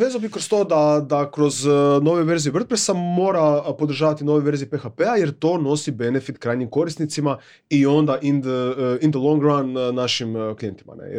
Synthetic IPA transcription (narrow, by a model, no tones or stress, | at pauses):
ʋezalobikɾost̪o̞ːd̪ad̪akɾo̞zno̞ʋeʋe̞ɾzijur̩t̪̚pɾesamo̞ːɾapo̞d̪ɾ̩ʒaːʋat̪inoʋeʋe̞ɾzijipexapeaje̞ɾt̪o̞no̞sibe̞nefit̪kɾaːjɲimko̞ɾist̪nit̪sima | io̞nd̪aʔind̪əind̪əlˠoŋɡɾanːaʃimklijent̪i̥ma̰nḛj̰